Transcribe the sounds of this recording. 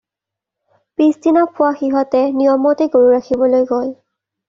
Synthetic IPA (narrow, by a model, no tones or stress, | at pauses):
pisdinapʰʊwaxiɦɔtɛnijɔmɔtɛɡoɹuɹakʰibɔlojɡol